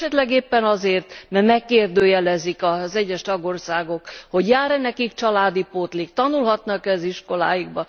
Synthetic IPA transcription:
ɛt̪lɛɡeːpːɛnɒzeːrt̪mɛrmɛkːeːrd̪øːjɛlɛzikɒzɛɟːɛʃt̪ɒɡo̞rsaːɡo̞kho̞ɟjaːɾɛnɛkikt͡ʃɒlaːd̪ipot̪likt̪ɒnulɦɒt̪nɒkɛziʃko̞la̰ːjiɡ̚bɒ

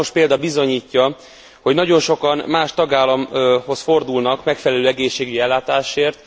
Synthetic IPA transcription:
oʃpeːld̪ɒbizo̞ɲiːcːɒ | ho̞ɟnɒɟo̞nʃo̞kɒnmaːʃt̪ɒɡaːlːɒmho̞sfo̞rd̪ulnɒkmɛkfɛlɛløːɛɡeːʃːeːɡyɟiɛlːaːt̪aːʃeːrt̪

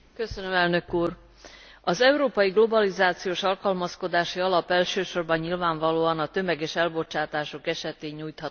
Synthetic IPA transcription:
kø̞sønømɛlnø̞kuːr | ɒzɛuɾoːpɒjiɡlo̞bɒlizaːt̪sijoːʃɒlkɒlmɒsko̞d̪aːʃiɒlɒpɛlʃøːʃo̞rbɒɲɲilvaːɱvɒloːɒnɒt̪ø̞mɛɡɛːʃɛlbo̞t͡ʃaːt̪aːʃo̞kɛʃɛt̪eːɲːuːjt̪hɒt̪ː

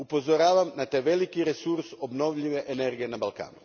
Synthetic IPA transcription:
upo̞zoɾaːʋamnat̪aʋe̞likiɾesuɾso̞bno̞ʋʎiʋe̞ʔeneɾɡije̞nabalˠka̰ːnṵ

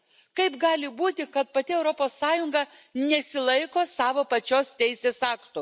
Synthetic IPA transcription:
kɐɪpɡɑːlʲɪbuːt̪ʲɪkɐt̪̚pɐt̪ʲɪɛʊɾɔpoːsːɑːjʊŋɡɐnʲɛsʲɪlˠɐɪkoːsɑːʋoːpɐt͡ʃʲoːst̪ʲɛɪsʲeːsɑːkt̪ʊ

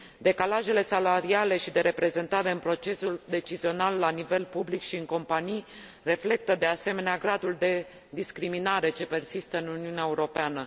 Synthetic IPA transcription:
d̪e̞kalaʒe̞le̞salaɾiale̞ʃid̪e̞ɾe̞pɾe̞ze̞nt̪aɾe̞ɨnpɾo̞t͡ʃe̞suld̪e̞t͡ʃizio̞nalːanive̞lpublikʃiɨŋko̞mpanij | re̞fle̞k̚t̪əd̪e̞ase̞me̞neaɡɾad̪uld̪e̞ | d̪iskɾiminaɾe̞t͡ʃe̞pe̞rsist̪əɨnuniuneaeuɾo̞peanə

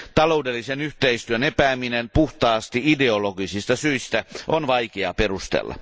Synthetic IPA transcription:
t̪ɑloudelːisenyht̪eist̪yønepæːminenpuht̪ɑːst̪iideoloɡisist̪ɑsyist̪æʔonʋɑikeɑ̰perust̪ḛlːɑ̰

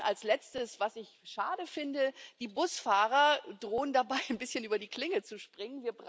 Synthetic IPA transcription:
ʔalslɛt͡stəsv̥asɪçʃaːdəfɪndəd̥iːbʊsfaːʁɐdʁoːəndabaɪnbɪsçənʔyːbɐdiːkl̥ɪŋət͡suʃpʁ̥ɪŋənviːɐbʁ

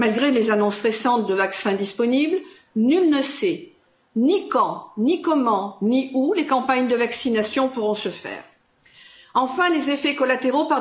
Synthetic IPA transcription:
malɡʁelezanɔ̃sʁesɑ̃t̪̚d̪əvaksɛ̃d̪ispɔnibl | nylnəsɛ | nikɑ̃nikɔmɑ̃niulekɑ̃paɲd̪əvaksinasjɔ̃puʁɔ̃səfɛ̰ːʁ | ɑ̃fɛ̃lezefɛkɔlat̪eʁopaʁ

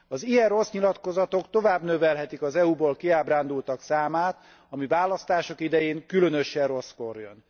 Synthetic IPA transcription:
ɒzijɛrro̞sɲilɒt̪ko̞zɒt̪o̞kt̪o̞vaːbnø̞vɛlɦɛt̪ikɒzɛuboːlkiaːbraːnd̪ult̪ɒksaːmaːt̪ | ɒmivaːlɒst̪aːʃo̞kid̪ɛjeːŋkylø̞nø̞ʃɛrro̞sko̞rjø̰n

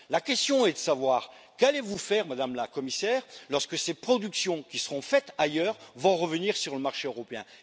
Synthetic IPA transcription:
lakʲɛst̪jɔ̃ɛd̪əsavwaːʁ | kalevufɛʁmad̪amlakɔmisɛːʁlɔʁskəsepχɔd̪yksjɔ̃kʲisə̥ʁɔ̃fɛt̪ajœːʁvɔ̃ʁəvəniʁsyʁləmaʁʃeøʁɔpeɛ̃

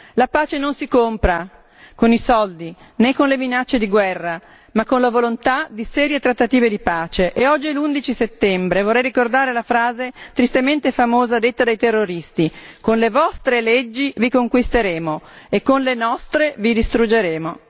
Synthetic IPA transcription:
lapaːt͡ʃenonsikompɾa | konisɔld̪i | nekːonleminat͡ʃːed̪iɡwɛrːa | makːonlavolont̪ad̪isɛːɾjet̪ɾat̪ːat̪iːved̪ipaːt͡ʃeʔeɔd͡ʒːilund̪it͡ʃiset̪ːɛmbɾevorːɛjrikord̪aːɾelafɾaːzet̪ɾist̪ement̪efamoːzad̪et̪ːad̪ajt̪erːoɾist̪ikonlevɔst̪ɾeled͡ʒːivikoŋkwist̪eɾeːmoekːonlenɔst̪ɾevid̪ist̪ɾud͡ʒeɾeːmo

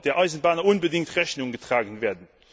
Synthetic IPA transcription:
d̥eːɐʔaɪzn̩baːnɐʔʊnbədɪŋtʁɛçnʊŋɡətʁ̥aːɡən̩veːɐdn̩

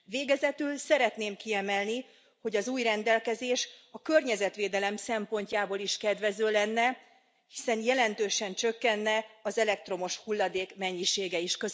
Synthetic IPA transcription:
veːɡɛzɛt̪ylsɛɾɛt̪neːmkiɛmɛlni | ho̞ɟɒzuːjrɛnd̪ɛlkɛzeːʃɒkø̞rɲɛzɛt̪ʋeːd̪ɛlɛmsɛmpo̞ɲcaːboːliʃkɛd̪ʋɛzøːlɛnːɛ | hisɛnjɛlɛnt̪øːʃɛnt͡ʃø̞kːɛnːɛɒzɛlɛk̚t̪ro̞mo̞ʃhulːɒd̪eːkmɛɲːiʃeːɡɛiʃkøz

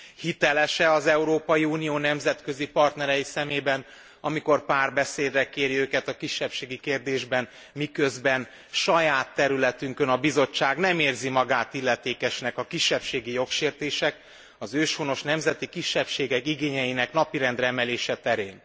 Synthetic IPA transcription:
hit̪ɛlɛʃɛɒzɛuɾoːpɒjiuːnijoːnɛmzɛt̪kø̞zipɒrt̪nɛɾɛjisɛmeːbɛn | ɒmiko̞rpaːrbɛseːd̪rɛkeːɾiøːkɛt̪ɒkiʃːɛpʃeːɡikeːrd̪eːʒbɛn | mikøzbɛn | ʃɒjaːt̪ːɛɾylɛt̪yŋkønɒbizo̞t͡ʃːaːɡnɛmeːrzimɒɡaːt̪ilːɛt̪eːkɛʃnɛkɒkiʃːɛpʃeːɡijo̞kʃeːrt̪eːʃɛk | ɒzøːʃhono̞ʃnɛmzɛt̪ikiʃːɛpʃeːɡɛkiɡeːɲɛjinɛknɒpiɾɛnd̪ɾɛɛmɛleːʃɛt̪ɛɾeːn

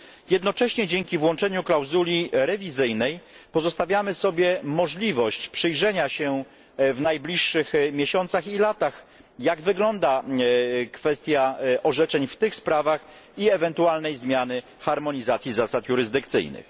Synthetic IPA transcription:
jɛd̪nɔt͡ʂɛɕɲɛd͡ʑeŋkʲivwɔnt͡ʂɛɲuklawzulʲiɾɛvʲizɘjnɛjpɔzɔst̪avʲjamɘsɔbʲjɛmɔʐlʲivɔɕt͡ɕpʂɘjʐɛɲaɕɛ | vnajblʲiʂːɘxmʲjeɕɔnt̪saxilat̪ax | jaɡvɘɡlɔnd̪a | kfɛst̪ʲjaʔɔʐɛt͡ʂɛɲft̪ɘxspɾavax | iɛvɛnt̪ualnɛjzmʲjanɘ | xaɾmɔɲizat̪sʲjizasat̪juɾɘzd̪ɘkt̪sɘ̰jnɘ̰x

